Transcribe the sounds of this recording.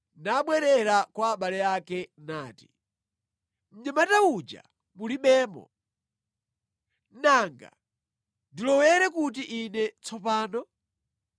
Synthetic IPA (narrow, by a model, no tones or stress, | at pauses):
naɓwɛɾɛɾakwaːɓalɛakɛnaːti̥ | m̩ɲamataud͡ʒa̰ | muliɓɛːmɔ̰ | naŋɡa̰ | ndilɔwɛɾɛkut̬iʔinɛt͡sʰɔpaːnɔ